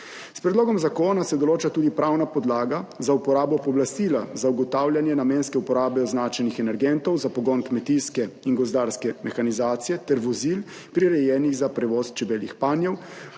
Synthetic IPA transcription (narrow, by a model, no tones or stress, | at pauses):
spɾɛd̪loːɡɔmzakoːnasɛd̪ɔloːt͡ʃat̪uːd̪ipɾawnapɔd̪laːɡazaupɔɾaːbɔpɔblast̪iːlazauɡɔt̪aːwljanjɛnamɛːnskɛupɔɾaːbɛɔznaːt͡ʃɛnixɛnɛɾɡɛnt̪ɔwzapɔɡɔnkmɛt̪iskɛinɡɔzd̪aːɾskɛmɛxanizaːt̪sijɛt̪ɛɾʋɔzil | pɾiɾɛjɛːniɣzapɾɛʋɔːst͡ʃɛbeːlixpaːnjɛw